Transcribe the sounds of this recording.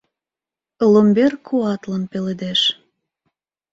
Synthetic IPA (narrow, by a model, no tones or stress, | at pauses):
lomberkʰːuɑt̪lənpeled̪eʃ